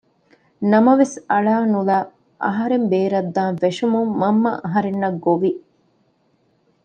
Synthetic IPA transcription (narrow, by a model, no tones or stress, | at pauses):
nɐmɐʋesɐɭaːnulaː | ʔɐ̰ɦɐɾembeːɾɐd̪ːaːnfeʂumumːɐmːɐ̰ʔɐɦɐɾenːɐɡːoʋi